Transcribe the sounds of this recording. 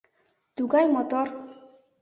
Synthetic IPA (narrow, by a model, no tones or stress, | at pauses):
t̪uɡajmot̪oɾ